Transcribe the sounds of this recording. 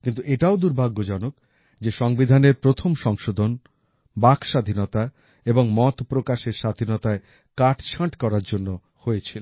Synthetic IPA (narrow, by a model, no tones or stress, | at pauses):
kint̪uʔeʈaod̪uɾbʱaɡːod͡ʑɔnok̚ | d͡ʑeʃɔŋbid̪ʱaneɾpɾot̪ʰomʃɔŋʃod̪ʱon | bakʃad̪ʱinɔt̪a | eboŋmɔt̪pɾokaʃeɾʃad̪ʱinɔt̪ae | kaʈt͡ɕʰaʈkɔɾaɾd͡ʑonːo | hojet͡ɕʰil